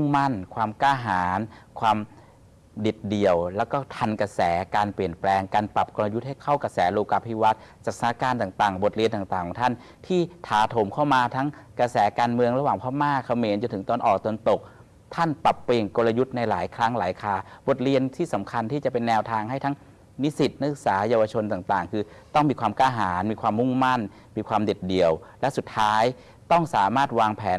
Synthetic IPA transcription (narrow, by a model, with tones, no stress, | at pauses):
u˥˩ŋma˥˩nkʰwaː˧mkaː˧˥˩ɦaː˩˦nkʰwaː˧m | de˨˩t̪̚di˨˩əwlɛː˦˥wkɔː˥˩t̪ʰa˧nka˧sɛː˩˦kaː˧npli˨˩ənplɛː˧ŋkaː˧npa˨˩p̚ko˧la˧ju˦˥t̪̚ha˥˩jkʰa˥˩wka˧sɛː˩˦loː˧kaː˧pʰiː˧wa˦˥t̪̚ | t͡ɕa˨˩k̚sa˧na˦˥kaː˧nt̪aː˨˩ŋt̪aː˨˩ŋbo˨˩t̪̚ɾi˧nt̪aː˨˩ŋt̪aː˨˩kʰɔ˨˦ŋt̪ʰa˥˩n | t̪ʰiː˥˩t̪ʰaː˨˦t̪ʰo˨˩˦mkʰa˥˩wmaː˧t̪ʰa˦˥ŋkɾa˧sɛː˩˦kaː˧nmɯ˧əŋɾa˧waː˨˩ŋpʰɔː˥˩maː˥˩kʰːa˧˩meː˧nt͡ɕo˧nt̪ʰɯ˩˦t̪ɔː˧nʔɔː˨˩k̚t̪nt̪o˨˩k̚ | t̪ʰa˥˩npa˨˩pːeː˧˩ŋko˧la˧ju˦˥t̪̚na˧jlaː˩˦jkʰɾa˦˥ŋlaː˩˦jkʰaː˧˩bo˨˩t̪̚ɾi˧ənt̪ʰiː˥˩sa˩˦mkʰa˧nt̪ʰiː˥˩t͡ɕa˨˩pe˧nːɛː˧wt̪ʰaː˧ŋɦa˥˩jt̪ʰa˦˥ŋ | ni˦˥si˨˩t̪̚na˦˥sɯ˨˩k̚saː˩˦jaː˧wa˧t͡ɕʰo˧nt̪aː˨˩ŋt̪aː˨˩ŋkʰɯː˧ | t̪ɔ˥˩ŋmiː˧kwaː˧mkaː˥˩ɦaː˩˦nmiː˧kʰwaː˧mːu˥˩ŋma˥˩n | miː˧kʰwaː˧mde˨˩t̪̚di˨˩əwlɛ˦˥su˨˩t̪ʰːaː˦˥j | t̪ɔ˥˩ŋsaː˩˦maː˥˩t̪̚waː˧ŋpʰɛː˩˦n